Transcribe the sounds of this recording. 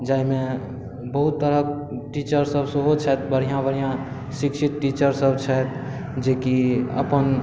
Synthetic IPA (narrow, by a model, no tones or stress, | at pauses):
d͡ʒaime | bəɦut̪ːəɾək̚ | ʈit͡ʃəɾsəbsəɦot͡ʃʰɛt̪bəɾ̤ijãbəɾ̤ijã | sikt͡ʃʰit̪ʈit͡ʃəɾsəbt͡ʃʰət̪ | d͡ʒekiə̰pən